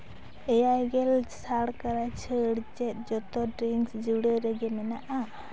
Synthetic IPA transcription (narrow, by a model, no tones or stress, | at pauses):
ɛjajɡɛlsaɽkaɾat͡ʃʰəɽt͡ʃɛt̪̚ˀd͡ʒɔt̪ɔɖɾiŋksd͡ʒuɽeɾɛɡɛmɛnaʔa